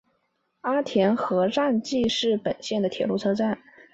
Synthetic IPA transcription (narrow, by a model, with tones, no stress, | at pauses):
a˥t̪ʰjɛ˧˥nxɤ˧˥ɻa˥˧nt͡ɕi˥˧ʂɻ̩˥˩pə˨˩nɕjɛ˥˩nd̪ə˩t̪ʰjɛ˨˩lu˥˩t͡sʰɤ˥t͡sa˥˩n